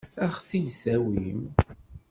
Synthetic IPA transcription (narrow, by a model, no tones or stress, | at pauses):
æχθijsæwim